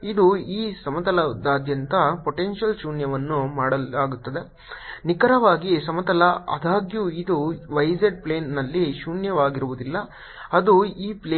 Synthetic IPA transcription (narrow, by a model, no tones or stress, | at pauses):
id̪uiːsɐmɐt̪ɐlɐd̪aːd̪ʱjɐnt̪ɐpoʈenʃɐlʃuːnjɐʋɐnːumaːɽɐaːɡut̪ːɐd̪e̞ | nikɐɾɐʋaːɡisɐmɐt̪ɐlɐɐ̰d̪aːɡjuːid̪uʋɐjzeɖ̚pleːnːɐlːiʃuːnjɐʋaːɡiɾuʋud̪ilːɐ | ɐd̪uiːpleː